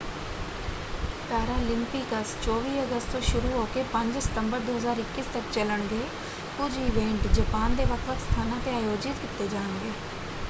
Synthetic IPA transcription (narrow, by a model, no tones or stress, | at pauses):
t̪aːɾãːlɪ̃mpikəst͡ʃɔːʋiːəɡəst̪t̪õːʃʊɾuɦoːkeːpə̃ɲd͡ʒsə̥t̪əmbəɾd̪oːɦəzaːɾɪkːiːst̪əkt͡ʃələɽɡeː | pʊd͡ʒɪʋẽːɳʈd͡ʒəpaːnd̪eːʋəkʰʋəkst̪ʰaːnãːt̪eaːjoːd͡ʒɪt̪kɪt̪eːd͡ʒaːənɡeː